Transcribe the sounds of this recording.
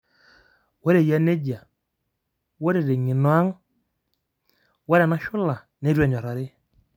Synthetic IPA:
we˦ɾe˨ja˦ne˦d͡ʒa˨ | wo˦ɾe˨ɾe˨ŋɪ˨nɔ˨˦a˦ŋ | wa˦ɾɛ˨na˦ʃʊ˦la˨ | ne˦ɾwɛ˦˨ɲɔ˨ɾa˨ɾɪ˦

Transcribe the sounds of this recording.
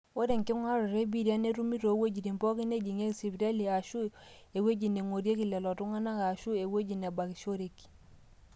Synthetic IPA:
o˦ɾe˨ŋkɪ˦ŋwa˦ɾɔ˨ɾe˦bi˦˨ɾi˨a˦ne˦ɾu˦mi˦ɾo˨˦we˦d͡ʒi˨ɾi˨mpɔ˦ki˦ne˦d͡ʒi˨ŋe˦ksi˨bi˨ɾa˦li˨a˨ʃu˦e˨we˦d͡ʒi˨ne˨ŋo˨ɾje˦ki˨lɛ˨lɔ˨tu˦ŋa˦na˦ka˨ʃu˦e˨we˦d͡ʒi˨n˨a˨ba˨ki˨ʃo˦ɾe˨ki̥˨

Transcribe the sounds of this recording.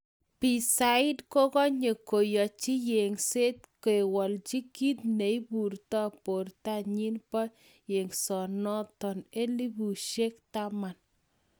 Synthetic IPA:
pi˨sa˨ɪ˦dkɔ˦kɔ˦ɲe˨ko˨jɔ˨t͡ʃi˦je˨ŋse˦t̪ke˨wɔ˨lt͡ʃi˦ki˦t̪ne˨i˦pu˨rt̪ɔ˦˨po˨rta˦ɲi˦npɔ˦ | je˨ŋsɔ˨nɔ˦tɔ˨ne˦li˦bu˨ʃe˦kt̪a˦ma˨n

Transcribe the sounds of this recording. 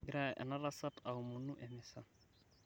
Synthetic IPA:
ɡɾa˦ʔɛ̰˨na˦ɾa˦sa˦ta˨u˨mu˨nu˦ʔɛmɪ˨sa˦

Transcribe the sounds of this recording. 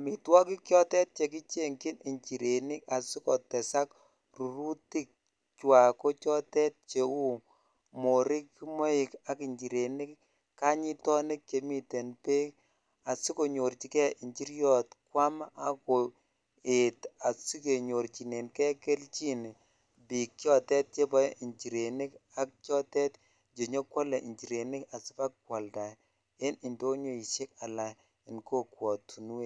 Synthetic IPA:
a˨mi˨twɔ˦ki˦kjɔ˦tɛ˦t̚t͡ʃe˨ki˦t͡ʃe˦ŋkɪ˦nʔi˨ɲt͡ʃi˨ɾe˨nɪ˦ka˨si˦kɔ˨tɛ˨sa˦k | ru˨ɾu˦ti˦k̚ | t͡ʃwa˨ko˦t͡ʃɔ˦tɛ˦t̚t͡ʃe˨u˦ | mo˨ɾi˦kmo˦ɪ˨ka˨ki˨ɲt͡ʃi˨ɾe˨ni˦k | ka˦ɲi˦tɔ˦nɪ˦k̚t͡ʃe˨mi˨te˨npe˦ | a˨si˦ko˨ɲo˨rt͡ʃi˨kɛ˦i˨ɲt͡ʃi˦ɾjɔ˦˨tkwa˦ma˦ko˨ | e˨ta˨si˦ke˨ɲo˨ɾt͡ʃi˨ne˨nkɛ˦ke˦lt͡ʃi˦n˨ | bi˨k̚ːjɔ˦tɛ˦t̚t͡ʃe˦bɔ˦i˨ɲt͡ʃi˨ɾe˨nɪ˦ka˦k̚t͡ʃjɔ˦tɛ˦t | d͡ʒe˨ɲo˦kwɔ˦lɛ˨ʔi˨ɲd͡ʒi˨ɾe˨nɪ˦ka˨si˦pa˦kkwa˨lda˨j | e˦nɪ˨ndo˦ɲo˦i˨ʃe˦ka˨la˨j | ɪ˨nko˦kwɔ˨tʰu˨nu˦e˦

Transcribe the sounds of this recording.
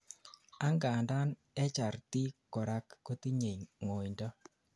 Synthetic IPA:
a˦ŋɡa˨nda˦n | ɛ˦t͡ʃa˨ɾti˦kɔ˨ɾa˦kːo˦ti˦ɲe˨jŋo˨jndɔ˦

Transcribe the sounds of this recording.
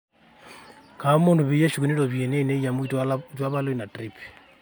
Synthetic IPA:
ka˨u˦mu˦ndu˨βije˦ʃu˨ki˨ni˦ɾo˨βje˨ne˦˨ne˦ja˨mwid͡ʒwa˦βa˦lo˦ina˨tɾip

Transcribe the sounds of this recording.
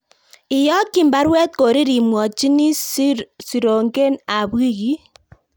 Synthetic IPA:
ɪ˨jɔ˦ki˦˨mba˦ɾwɛ˦t̪̚ko˨ɾi˦ɾi˨mwɔ˨t͡ʃi˦ni˦ | si˨ɾo˨ŋɡe˦na˨bi˦ɣi˦

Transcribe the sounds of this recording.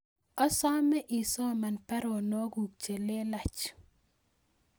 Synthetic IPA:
ɔ˦sɔ˦mɛ˦ʔɪ˨sɔ˦ma˨npɛ˦ɾo˨no˦ɡu˨kt͡ʃe˨le˦la˨t͡ʃ

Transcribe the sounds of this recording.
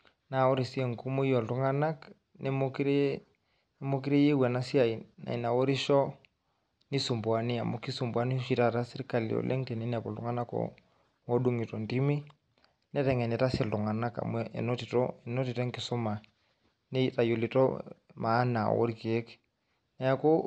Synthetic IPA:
na˨wo˦ɾi˨si˦e˨ŋku˦mu˦i˦jɔ˨lu˦ŋa˦na˦k | nɛ˦mo˦ki˦ɾe˦ | mo˦k̬i˦ɾe˦je˦wɛ˨na˦si˦a˨a̰˨i˨na˨wo˦ɾi˦ʃɔ˦ | ni˦su˨mbwa˨ni˦a˨mo˦ki˦su˨mbwa˦ni˦ʃi˨ta˨ta˦si˦ɾka˨lḭɔ̰˨lʔḛ˦ŋte˨nɛ˦ni˦a˨pɔ̰˨lṵ˦ŋa˦na˦kɔ̰˨ | ɔ˦ɗu˦ŋi˨tɔ˨ndi˦mi˦ | nɛ˦ɾɛ˨ŋɛ˨nɛ˨ta˦si˦lu˨ŋa˨na˦ka̰˨mɛɛ̰˨nɔ˦ti˨tɔ˦ɛ˨nɔ˦ti˨tɛ˦ŋkɪ˨su˦ma˨ | ne˦ta˨jo˨li˨tɔ˦maː˨˦na̰˨wo̰˦ɾki˨e˦k | nɛ˦a˦ko˦

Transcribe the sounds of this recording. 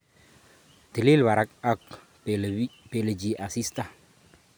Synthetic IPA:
t̪i˨li˦lba˨ɾa˨˦k̚a˦k | pe˨le˨d͡ʒi˨ʔa˨si˦st̪a˦˨

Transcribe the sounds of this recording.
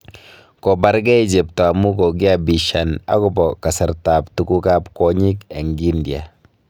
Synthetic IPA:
kɔ˨ba˦ɾɡɛ˦i˦d͡ʒe˨p̚tɔ˨a˨mu˦kɔ˨ɡi˦a˨bi˨ʃa˨na̰˦kɔ˨bɔ˨ka˨sɪ˨ɾta˨ptu˦ku˦ka˦pkɔ˦ɲi˦kɛ˨ŋɡi˦ndja̰˨

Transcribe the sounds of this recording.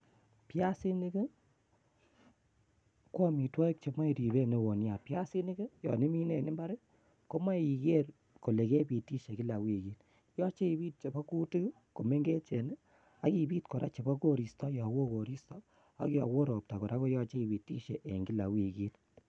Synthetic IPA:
pja˦si˦ni˦kɪ˦ | kwɔ˦mi˨twɔ˦i˦k̚t͡ʃe˨ma˦i˨ɾi˨βe˦ne˨wo˨nja˨pja˦si˦ni˦ɡɨ˦jɔ̰˨ni˦mi˦ne˨nɪ˦mba˦ɾe˦ | ko˦ma˦˨i˨ɡe˦r | ko˨le˨ke˦bi˨ti˦ʃe˨ki˦la˨wi˨ki˦t | jɔ˦t͡ʃe˦i˨biː˦t̚t͡ʃe˨ba˦ku˦ti˦k | ko˨me˦ŋɡe˦t͡ʃe˨nɪ˦ | a˨˦ki˨biː˦tko˨ɾa̰˦t͡ʃe˨ba˦ko˦ɾi˨stɔ˦jɔ˨wo˦ko˨ɾi˦stɔ˦ | a̰˨kjɔ̰˨wo˦ɾo˨p̚ta˨kɔ˨ɾa˦ko˦jɔ˦t͡ʃe˦i˨bi˨ti˦ʃe˨ʔe˨ŋɡi˦la̰˨wi˨ki˦t

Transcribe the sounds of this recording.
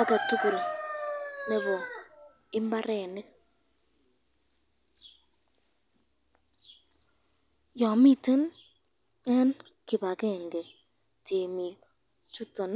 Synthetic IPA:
a˦kɛ˨tu˦ku˨l | ne˦bɔ˨ | ɪ˦mba˦ɾɛ˨ne˦ | jɔ˨mi˦te˦n | ɛ˦n | kɪ˨ba˨kɛ˦˨ŋɡe˨ | tʰe˨mi˨k | tu˦tɔ˨n

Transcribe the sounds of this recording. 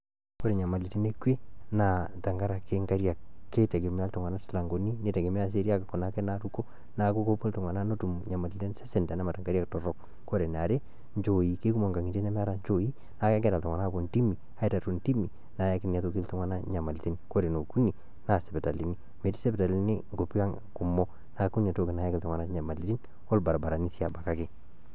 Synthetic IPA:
ko˦ɾe˨ɲa˨ma˨li˨te˦ne˦kwe˦na˨ta˨ŋɡa˦ɾa˨ke˦ŋɡa˦ɾja˨kː | e˦te˨ke˨m˦a˦ltɔ˨ŋwa˨na˦sla˨ŋɡo˨ni˦ne˨te˨ɡe˨mi˦a˦s̬e˦ɾja˦ka˨ko˨na˨˦ke˦na˦tu˦ko˦ | na˨ko˦ko˦po˦lto˨ŋwa˨na˦no˦tu˨mɲa˨ma˨li˨te˦nse˦sɛ˨ndɛ˨na˦ma˨ta˨ŋɡa˦ɾja˦ktɔ˨ɾɔ˦k | ko˦ɾe˨n˨a˨ɾe˦ | ɲd͡ʒo˨ji˨ke˦ku˦mo˨ŋɡa˨ŋi˨te˦n˦m˦a˦ɾa˨ɲt͡ʃo˨ji˦ | na˨ke˦kɛ˦ta˨ltŋʷ˨a˨na˦bo˨nti˦mi˨ | a˦i˦ta˨tu˨nti˦mi˨ | na˨ja˦kɪ˦n˨a˨to˦ki˦ltu˦ŋwa˦na˦ɲa˨ma˨li˨ti˦nko˦ɾe˨no˨ku˦ni˨ | na˨sɛ˨pe˨ta˨li˨ni˦ | me˨ti̥˦se˦pe˨ta˨li˦ni˦ŋɡo˨pi˦a˦ŋ | ku˨mɔ˦ | na˨ku˦n˨a˨to˦˨kɪ˨na˨˦ja˦kɪ˨lto˨ŋwa˨na˦ɲa˨ma˨li˨ti˦n | ɔ˦lba˨ɾa˨ba˨ɾa˨ni˦si˦a˨ba˨ka˦ke˦˨

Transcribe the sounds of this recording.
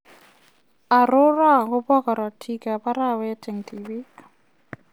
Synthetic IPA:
a˨ɾʊ˦ra˦˨kʊ˦bɔ˦kɔ˨ɾɔ˨tʰi˦ka˨ba˦ɾa˦˨wɛ˦tʰɛ˨ŋtʰi˨bi˦

